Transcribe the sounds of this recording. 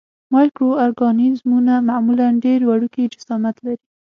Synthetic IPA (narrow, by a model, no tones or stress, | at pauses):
mɑjkɾoaɾɡɑnizmunamamulanɖeɾwaɽuked͡ʒʊsɑmat̪laɾi